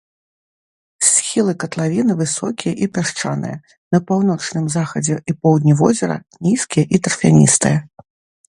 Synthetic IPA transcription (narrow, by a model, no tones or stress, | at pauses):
sʲxʲilˠɨkɐt̪lˠavʲinɨvɨsɔkʲijɐʔipʲaʂt͡ʂanɨ̰jɐ | nɐpawn̪ɔt͡ʂnɨmzaxɐd͡zʲɛʔipɔwd̪ʲnʲivɔzʲɛɾɐ̰nʲiskʲijɛʔit̪ɐrfʲanʲḭst̪ɨjɐ